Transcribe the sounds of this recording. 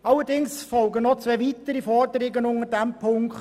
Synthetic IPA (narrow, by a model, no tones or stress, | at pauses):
ɑləɾdɪŋsfɔlɡənɔt͡sʋɛʋit̪əɾifɔɾdəɾɪɡənʊŋədɛmpʰʊŋkχt